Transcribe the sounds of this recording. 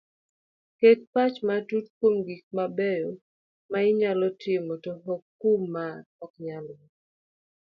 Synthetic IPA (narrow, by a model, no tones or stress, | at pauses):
ket̚pat͡ʃmatutkwomɡik̚mabɛjo | maɪɲalɔtjemotoɦɔkːumːaɔkɲalɔ